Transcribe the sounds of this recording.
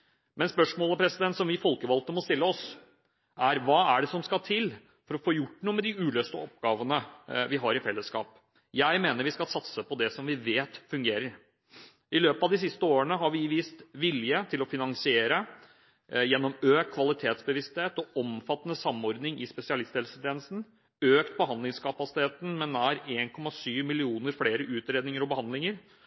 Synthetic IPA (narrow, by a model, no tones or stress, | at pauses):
mɛnspœʂmoːləpʰɾɛsɪd̪ɛnt̪sɔmʋɪfɔlkəʋɑlt̪əmɔst̪ɪlːəɔs | ʔæɾʋɑːæɖɛsɔmskɑt̪ʰɪl | fɔɾɔfoːjʊʈːnuːəmɛd̪ɪʉːløːst̪əɔp̚ɡɑːʋənəʋɪɦɑɾɪfɛlːəskɑ̰ːp | jæɪmeːnəɾʋɪskɑlsɑt̪səpʰɔd̪ɛsɔmʋɪʋeːt̪fʉŋɡeːɾəɾ | ɪløːpəɑʋd̪ɪs̬ɪst̪əoːɾənəɦɑɾʋɪʋiːst̪ʋɪljət̪ʰɪlɔfɪnɑŋsɪeːɾə | jɛnːɔmøːkt̪kʰʋɑlɪt̪ʰeːt̪sbəʋɪst̪heːt̪ɔɔmfɑt̪ːənəsɑmːɔɾd̪nɪŋɪspɛsɪɑlɪst̪ʰɛːlsət̪ʰeːnlsn̩ | øːkt̪̚bəɦɑnd̪lɪŋskʰɑpɑsɪ̥t̪ʰeːt̪n̩mɛnæɾeːnkʰɔmɑsyːʋmɪlɪuːnəɾfleːɾəʔʉːt̪ɾeːd̪nɪŋəɾɔbəhɑnd̪lɪŋəɾ